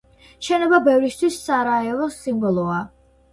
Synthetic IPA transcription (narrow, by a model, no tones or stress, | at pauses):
ʃɛnɛbabɛvɾist̪ʰwisːaɾaɛlɔsimbɔlˠɔa